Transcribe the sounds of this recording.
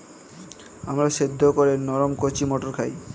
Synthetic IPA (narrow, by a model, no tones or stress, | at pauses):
amɾaʃed̪ʱːokoɾenɔɾomkot͡ɕimoʈoɾkʰaj